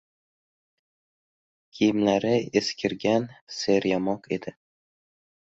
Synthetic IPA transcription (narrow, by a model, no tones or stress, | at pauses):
kʲʰijɪmlaɾɪeskʲʰɪɾɡʲanseɾjamɒqe̞d̪̥ɪ